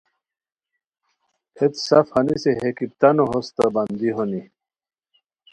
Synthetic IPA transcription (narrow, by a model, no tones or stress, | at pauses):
et̪safhɐniseɦekip̚t̪anoɦost̪aband̪iɦoni